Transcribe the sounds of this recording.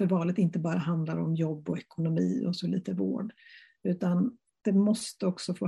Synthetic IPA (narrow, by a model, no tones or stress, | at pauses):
fœɾvɑːlət̪ɪnt̪əbɑːɾaɦand̪laɾɔ̰mjɔbːɔɛkʊnʊmiːɔ̰sɔlḭːt̪əvo̰ːɖ | ʉ̟ːt̪an | d̪̥ɛmɔst̪əɔksɔfoː